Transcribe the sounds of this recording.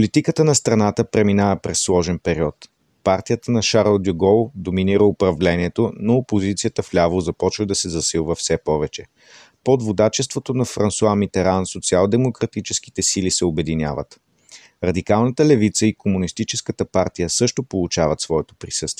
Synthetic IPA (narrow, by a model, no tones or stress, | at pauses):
plit̪ikət̪ənɐst̪ɾɐnat̪əpɾɛminavəpɾɛsːlˠɔʒɛnpɛɾiɔt̪ | paɾt̪ijət̪ənɐʃaɾlˠd̪uɡɔlˠd̪ominiɾəʊpɾɐvlɛniɛt̪onoopozit̪sijət̪əflʲavlˠozɐpɔt͡ʃvəd̪ɐsɛzɐsilˠvəfsɛpɔvɛt͡ʃɛ | pod̪vod̪at͡ʃɛst̪vot̪onɐfɾɐnsuamit̪ɛɾansot̪sialˠd̪ɛmokɾɐt̪it͡ʃɛski̥t̪ɛsilisɛobɛd̪inʲja̰və̰t̪ | ɾɐd̪ikalˠnət̪əlɛvit̪səikomunist̪it͡ʃɛskət̪əpaɾt̪ijəsɤʃt̪opolˠut͡ʃavət̪svɔɛt̪o̥pɾisɤst̪viɛ